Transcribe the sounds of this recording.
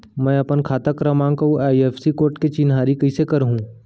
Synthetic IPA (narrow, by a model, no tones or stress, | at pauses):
mɛ̃ːɐpənkʰaːt̪əkɾɐmãːŋkɐuaːieːfsikoːɾʈket͡ʃinɦaːɾikɐisekɐɾɦũː